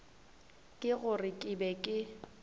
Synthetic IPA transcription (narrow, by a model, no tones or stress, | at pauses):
kʼɪɣʊrɪkʼɪbɛkʼɪ